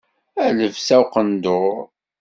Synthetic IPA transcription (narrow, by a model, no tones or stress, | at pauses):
æləvsæwqənd̪ʊɾ